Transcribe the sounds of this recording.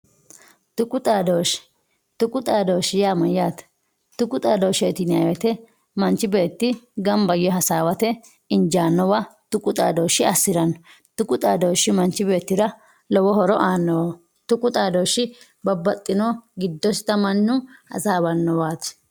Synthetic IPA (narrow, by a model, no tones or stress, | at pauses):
t̪ʊkʼʊt̪ʼaːd̪owʃ | t̪ʊkʼʊt̪ʼaːd̪oːʃɪjaːmɐjaːt̪ | t̪ʊkʼʊt̪ʼaːd̪oːʃeːt̪ɪnɪa̰wɛt̪ɛ | mɐnt͡ʃɪbe̞ːt̪ːɪɡɐmbɐjɔɦɐsaːwɐt̪ɛ | ɪnd͡ʒaːnːɔwat̪ʊkʼʊt̪ʼa̰ːd̪oːʃɪɐsːɪɾɐnɔ | t̪ʊkʼʊt̪ʼaːd̪owʃɪmɐnt͡ʃɪbe̞ːt̪ːɪɾɐ | lɔwɔhɔɾɔʔaːnːɔw | t̪ʊkʼʊt̪ʼaːd̪oːʃːɪ | bɐbːɐt̪ʼːɪnoɡɪd̪ːɔsɪt̪ɐmɐnːʊhɐ̰saːbɐnːɔwaːt̪